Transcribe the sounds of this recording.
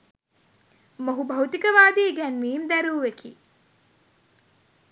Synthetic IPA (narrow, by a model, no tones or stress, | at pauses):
moɦubɐut̪ikəʋaːd̪iːɡænmiːmd̪æɾuːʋekḭː